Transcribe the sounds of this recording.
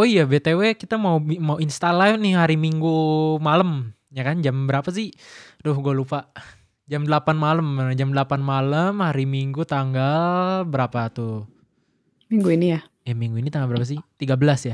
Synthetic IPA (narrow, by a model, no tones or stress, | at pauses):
oijabet̪ewekit̪amaumauinst̪alanɪɦaɾimiŋɡumaləm | ɲakand͡ʒambəɾapas̬ɪhdʊhɡualupaʔ | d͡ʒamdəlapanmaləmd͡ʒamdəlapanmaləmhaɾimiŋɡut̪aŋɡalbəɾapat̪u | miŋɡuinija | jamiŋɡuinit̪aŋɡalbəɾapas̬ɪht̪iɡabəlasja